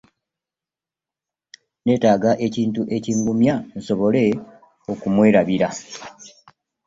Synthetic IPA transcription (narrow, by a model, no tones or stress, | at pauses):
ne̞ːtaːɡaʔe̞ciːntuʔe̞ciːŋɡumjan̩so̞βo̞le̞ | o̞kumwe̞ːɾaβiɾa